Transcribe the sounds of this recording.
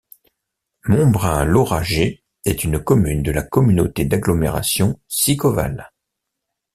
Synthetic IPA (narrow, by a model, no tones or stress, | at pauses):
mɔ̃bʁɛ̃lɔʁaʒe | ɛt̪ynkɔmynd̪əlakɔmynot̪ed̪aɡlɔmḛʁa̰sjɔ̃sikɔva̰l